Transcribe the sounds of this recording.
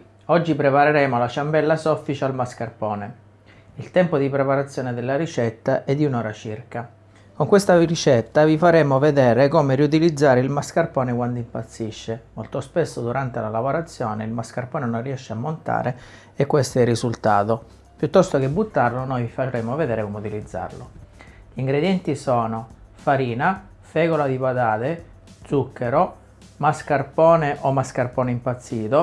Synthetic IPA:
ɔd͡ʒːipɾepaɾeɾɛːmolat͡ʃambɛlːasɔfːit͡ʃealmaskarpɔːne | ilt̪ɛmpod̪ipɾepaɾat̪sːjɔːned̪elːaɾit͡ʃɛt̪ːaʔɛd̪ːiunɔːɾat͡ʃirka | koŋkwest̪arit͡ʃɛt̪ːavifaɾɛːmoved̪ɛːɾekɔːmeɾiut̪̬ilid̪zːaːɾeilmaskarpɔːnekwand̪oimpat̪sːiʃːemolt̪ospesːod̪uɾʔant̪elalavoɾat̪sːjɔːneilmaskarpɔːnenonriɛʃːeamːont̪a̰ːɾe | ekːwest̪oɛrːizult̪aːt̪o | pjut̪ːɔst̪ok̟ebːut̪ːarlonojfaɾemoved̪ɛːɾekɔmeut̪ilid̪zːa̰rlo̰ | ʎiŋɡɾed̪jɛnt̪isɔːnofaɾiːna | fɛːɣolad̪ipat̪aːt̪e | d̪zukːeɾo | maskarpɔːneʔomaskarpɔːneimpat̪sːiːt̪o

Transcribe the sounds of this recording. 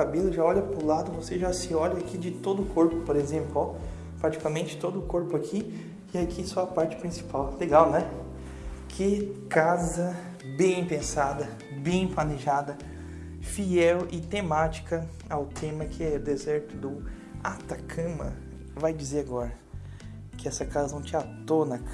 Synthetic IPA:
kabelʊʒaɔʎɐpɾʊlad̪ʊvoseʒasɪɔʎɐakid͡ʒɪt̪od̪ʊʊkʰoɾpʊpoɾezẽplʊɔ | pɾat͡ʃi̥kamẽt͡ʃɪ̥t̪od̪ʊkoɾpʊakʰi | ɪakʰisɔɐpaɾt͡ʃɪ̥pɾĩsi̥pawleɡawnɛ | kʰɪkazɐ | bẽj̃pẽsad̪ɐ | bẽj̃planeʒad̪ɐ | fiɛwʔɪt̪ẽmat͡ʃi̥kɐ | awt̪ʰẽmɐkʰɪɛʊd̪ezɛɾt̪ʊd̪ʊ | at̪akʰɐ̃mɐ̰ | vajd͡ʒizeɾaɡɔɾɐ | kɪɛsɐkazɐnɐ̃w̃t͡ʃɪat̪onɐ

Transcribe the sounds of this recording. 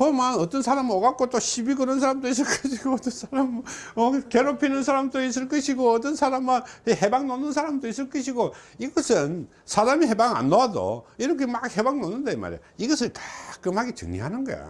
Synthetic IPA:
pʌmanʌt͈ʌnsʰaɾamoɡak͈ot͈oɕʰibiɡɯnɯns̬ʰaɾamdois̬͈ɯɭk͈ʌɕʰiɡoʌt͈ʌnsʰaɾamʌkeɾopʰinɯnsʰaɾamdois̬͈ɯɭk͈ʌɕʰiɡoʌt̬͈ʌnsʰaɾamanehebaŋnonːɯnsʰaɾamdois̬͈ɯɭk͈ʌɕ̬ʰiɡoiɡʌsʰɯn | sʰadamiɦebaŋa̰nːoado̰iɾʌkʰemak̚he̞baŋnonːɯndaima̰ɾḛj | iɡʌsʰɯntḁk͈ɯmhaɡet͡ɕɯ̰ŋɲḭɦanɯnɡʌ̰jo̰

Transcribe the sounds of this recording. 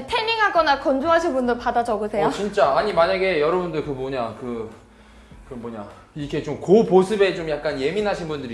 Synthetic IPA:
tʰe̞miŋɦaɡʌnakʌnd͡ʑoɦaɕʰinbundɯɭpadad͡ʑʌɡɯsʰe̞jot͡ɕint͡ɕ͈aːɲimaɲaɡe̞jʌɾʌbundɯɭkɯmoɲakɯ | kɯʌmoɲa | ikʰe̞t͡ɕomkoposʰɯbe̞t͡ɕomjak̚k͈anje̞minɦaɕʰinbundɯɾi

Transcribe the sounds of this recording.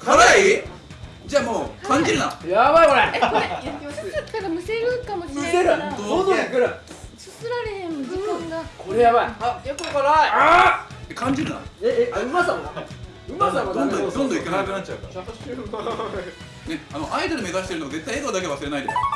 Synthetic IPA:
kʰaɾai | d͡ʑaːmoːkʰãɲ̟d͡ʑiɾɯnajaβaikoɾekejosaḁk̪ːaɾamɯ̟seɾɯkamoɕɯseɾɯd̪ond̪õikɯɾa | ssɨɾaɾehẽmɡakʰo̞ɾejaβaijokokaɾaaekʰãɲ̟d͡ʑiɾɯ̟na̰eeɯ̟masãa̰ | ɯ̟masaad̪̃nd̪õd̪õnd̪õikanakɯnat͡ɕ̚ːt͡ɕaɯkaat̪ɕt̪e | neanoʔaid̪oɾɯme̞zaɕit̪eɾɯ̟noaze̞t̪ːaieɡad̪ak̬eβasɨɾe̞naid̪ḛs

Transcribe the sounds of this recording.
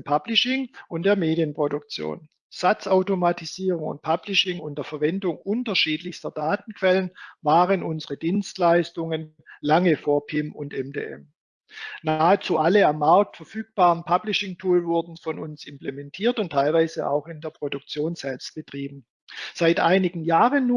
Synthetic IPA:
pʰablɪʃɪŋʔʊnt̚d̥eːɐmeːdijənpʁ̥odʊk̚t͡sjo̰ːn | z̥at͡saʊtomatʰiziːʁʊŋʊ̰nt̚pʰablɪʃɪŋʊndəɐfɛɐvɛndʊŋʔʊntɐʃiːtlɪçstɐd̥aːt̚n̩kv̥ɛlənvaːʁənʔʊnzəʁədiːnstlaɪstʊŋən | laŋəfoːɐpʰɪmʊntɛmdḛːʔɛ̰m | naaːet͡suːʔaləamːaɐk̚tfɛɐfyːk̚b̥aːʁənpʰab̥lɪʃɪŋtʰuːlvʊɐdn̩fɔnʊnsɪmplemɛntʰiːɐtʊntʰːaɪlvaɪzə̰ʔa̰ʊxɪndeːɐpʁ̥odʊk̚t͡sjoːnz̥ɛlpst̚b̥ətʁ̥iːbm̩ | z̥aɪtʔaɪnɪɡŋ̩jaːʁənːuː

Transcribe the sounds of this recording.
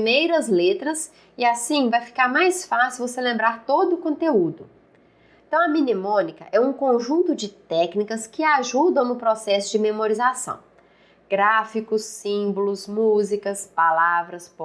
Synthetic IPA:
mejɾɐzlet̪ɾɐs | ɪasĩvajfi̥kaɾmajsfasɪvoselẽmbɾaɾt̪od̪ʊːkõnt̪eud̪ʊ | ẽt̪ɐ̃w̃ɐmĩnimõnikɐʔɛũkõʒũnt̪ʊd͡ʒɪt̪ɛknikɐskɪaʒũd̪ɐ̃w̃nʊpɾɔsɛsʊd͡ʒɪmemoɾizasɐ̰̃w̃ | ɡ̥ɾafikʊsːĩbʊlʊsmuzikɐspalavɾɐsp

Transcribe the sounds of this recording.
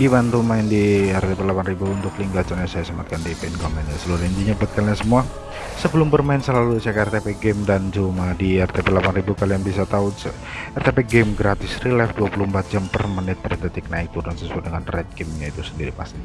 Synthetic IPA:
dimant̪umaɪndiɛrt̪epɛlapanribuːnt̪ʊkliŋɡat͡ʃanɲasajasamat̪̚kandipankomɛnɲasəluɾind͡ʒiɲabət̪̚kalɲasəmua | səbəlʊmbərmaɪnsəlalusakaɛrt̪epeɡɛmdand͡ʒumadiɛrt̪epɛlapanribukalianbisat̪ausə | ɛrt̪epɛɡɛmɡɾat̪ɪsrilɛfduapuluəmpat̪̚d͡ʒampərmanɪt̪̚pərt̪ɛt̪ɪk̚naɪk̚t̪urdansəsuat̪̚dəŋanrɛt̪̚kɪmɲait̪usəndiɾipast̪i

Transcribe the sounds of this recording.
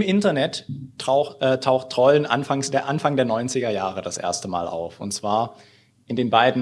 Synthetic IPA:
mʔɪntɐnɛtaʊʔɛːtʰaʊxtʁ̥ɔlənʔa̰nfaŋsd̥eːɐʔanfaŋdeːɐnɔʏnt͡sɪɡɐjaːʁədasʔḛːɐstəma̰ːlʔa̰ʊfʊntt͡sv̥aːɐ | ʔɪndeːnbaɪdn̩

